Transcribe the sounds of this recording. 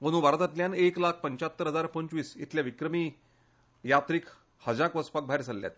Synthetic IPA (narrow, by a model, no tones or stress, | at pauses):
onũːbaɾət̪at̪ljaneklakʰpəɲt͡ɕat̪ːəɾɦəd͡zaɾpəɲt͡ɕʋiːsḭt̪ljaʋikɾəmiː | jat̪ɾiːk | həd͡zakʋəspak̚bʱaɦiɾsəlːja̰t̪